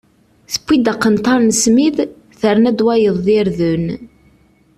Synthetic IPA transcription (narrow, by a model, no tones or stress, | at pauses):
θə̥pʷːid̪aqːənt̪ɑɾnəsmið | θəɾnæd̪wæjəðˤðiɾðən